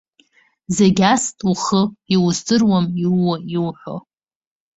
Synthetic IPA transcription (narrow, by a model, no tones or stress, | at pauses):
zeɡʲastʼuχəiwzdɨrwamiwaiwħʷo̰